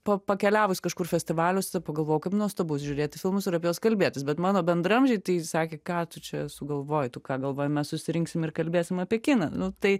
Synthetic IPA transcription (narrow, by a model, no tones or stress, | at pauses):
pɐpɐkʲɛlʲæːʋʊsʲkɐʃkʊrfʲɛsʲt̪ʲɪʋɑːlʲʊsʲt̪ɐpɐɡɐlˠʋoːjʊkɐɪpnuɔst̪oːbʊs̬ʲʒʲʊɾʲeːt̪ʲɪfʲɪlˠmʊsɪɾɐpʲjɛjoːskɐlʲbʲeːt̪ʲɪsbʲɛt̪mɑːnoːbʲɛnd̪ɾɐmʲʒʲɛɪt̪ɐɪsɑːkʲeːkɑːt̪ʊt͡ʃʲɛsʊɡɐlˠʋoːjɪt̪ʊkɑːɡɐlˠʋoːjɛmʲɛssʊsʲɪɾʲɪŋksʲɪmɪrkɐlʲbʲeːsʲɪmɐpʲiɛkʲɪnɐnʊt̪ɐɪ